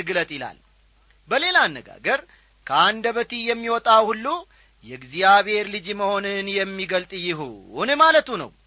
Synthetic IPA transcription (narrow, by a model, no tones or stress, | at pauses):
ɨɡlət̪ʼɪla̰l | bəle̞lanːəɡa̰ɡəɾ | kʰəand̪əβət̪ʰijɛmːiwɔt̪ʼawhulːu | jɛɨɡzijaβhe̞ɾlɨd͡ʒməho̞nɨnjɛmːiɡəlt̪ʼjɪɦṵunɨmalət̪ʰunə̰w